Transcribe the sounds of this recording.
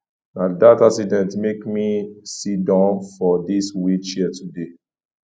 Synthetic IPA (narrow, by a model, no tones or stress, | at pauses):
nadataksidɛ̃ntmekmisidãnfɔdiswit͡ʃiətude